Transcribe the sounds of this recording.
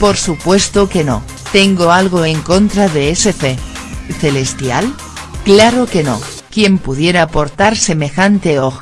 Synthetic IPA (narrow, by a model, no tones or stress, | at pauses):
po̞ɾsupwe̞st̪oke̞no̞̰ | t̪e̞ŋɡo̞alɣ̞o̞e̞ŋko̞nt̪ɾaðe̞ese̞feθe̞le̞st̪jal | klaɾo̞ke̞no̞̰ | kjempuðje̞ɾaːpo̞ɾt̪aɾse̞me̞xant̪e̞ox